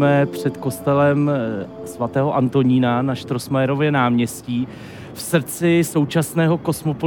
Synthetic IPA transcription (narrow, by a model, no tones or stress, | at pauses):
mɛpr̝̥ɛt̪ko̞st̪ɛlɛm | svat̪ɛːɦoʔant̪o̞ɲiːnanaʃt̪ɾo̞smajɛɾo̞vjɛnaːmɲɛsciː | fsrt͡sɪso̞wt͡ʃasnɛːɦo̞ko̞smo̞po